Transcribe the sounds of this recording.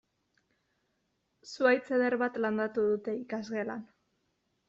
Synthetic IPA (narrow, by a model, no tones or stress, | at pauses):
suajt͡seð̞e̞ɾβat̪land̪at̪uð̞ut̪e̞ikazɣe̞lan